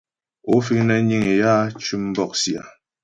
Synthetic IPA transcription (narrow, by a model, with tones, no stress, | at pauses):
o˨˦fi˦knɛ˦ɲi˦ŋi˨jaː˦t͡ʃu˦mm̩˦bɔ˦˨k̚sja̰˨